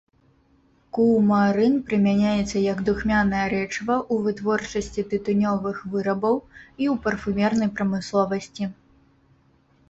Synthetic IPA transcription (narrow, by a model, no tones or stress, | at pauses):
kuwmaɾɨnpɾɨmʲanʲajɛt̪sːɐjɐɡd̪uxmʲanɐjɐɾɛt͡ʂvɐʔuvɨt̪vɔrt͡ʂɐsʲt͡sʲit̪ɨt̪unʲɔvɨxvɨɾɐbɐwiuwpɐrfumʲɛrnɐjpɾɐmɨslˠɔvɐsʲt͡sʲi